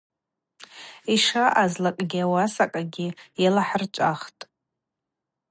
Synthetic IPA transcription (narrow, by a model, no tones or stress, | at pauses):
iʂaʔazlakʼɡʲiawasakʼaɡʲɪjalaħərt͡ʃʷʼaχtʼ